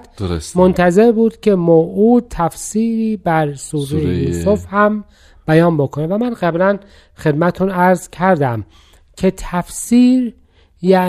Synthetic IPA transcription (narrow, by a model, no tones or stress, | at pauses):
d̪̥mont̪ʰæze̞ɾbuːd̪̥cʰe̞moːʔuːd̪̚t̪ʰæfsiːɾiːbæɾsuːɾejejuːsofhæm | b̥æjɒːmbokʰonevæmænɢæblæn | xe̞d̪mæt̪t̪ʰunæɾzcʰæɾd̪æm | cʰe̞t̪ʰæfsiːɾ | jæ